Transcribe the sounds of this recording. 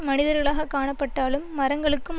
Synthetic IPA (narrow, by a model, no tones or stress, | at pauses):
mɐnɪðɐɾɣɐɭaːɣɐkːaːɳɐpːɐʈːaːlɯmːɐɾɐŋɡɐɭɯkːɯm